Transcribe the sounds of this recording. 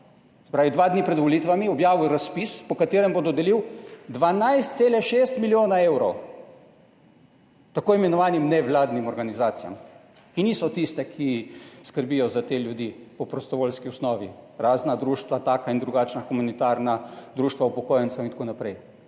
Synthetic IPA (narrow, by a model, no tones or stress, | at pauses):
sɛ̥pɾaːʋid̪ʋaːd̪nipɾɛd̪ʋɔlit̪ʋamiɔbjaːʋuɾaspispɔkat̪eːɾɛmbɔd̪ɔd̪ɛliwd̪ʋanajst̪t̪seːlɛʃeːst̪miljoːnaewɾɔw | t̪akoːimɛnɔʋaːnimnɛʋlaːd̪nimɔɾɡanizaːt̪sija̰m | kiniːsɔt̪ist̪ɛkʰiskəɾbijɔzat̪eːljud̪ipɔpɾɔst̪ɔʋolskiɔsnɔːʋḭɾaːznad̪ɾuːʃt̪ʋat̪aːkaind̪ɾuɡat͡ʃnaxumanit̪aːɾnad̪ɾuːʃt̪ʋaupɔkoːjɛnsɐwint̪akonapɾɛj